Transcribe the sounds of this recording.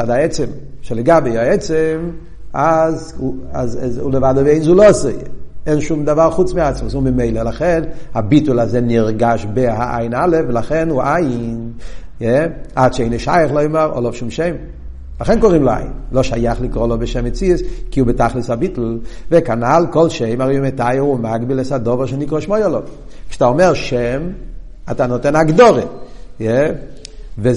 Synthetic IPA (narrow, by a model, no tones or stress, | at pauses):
t͡ʃadaɛt͡sɛm | ʃɛlˠəɡabeaɛt͡sɛm | aza̰zɛṵləvaːdəveɪnzulˠɔsəɛnʃumdavalˠχut͡smɪat͡sməsʊnbɪmeɪləlˠaχɛnabitl̩ˠazɛniʁɡaʃbɪɦaʔa̰ɪnalˠəfvɪlˠaχɛnuʔajn | jɛatʃeɪnəʃa̰jəχlˠɔɪməʁɔ̰lˠɔfʃumʃeɪm | laχɛnkɔʁimlɔa̰jɪ̰nlɔʃajaχlikʁɔlˠɔbɪʃɛmet͡siəskiubɪtaχlishabitl̩vekanalkɔlˠʃeɪmaʁejumetajəʁumaɡbilɛsadɔvaʁʃenikʁɔʃmɔjɔlɔv | kʃataɔmɛʁʃɛm | atanɔtɛnaɡdɔʁejɛ | ve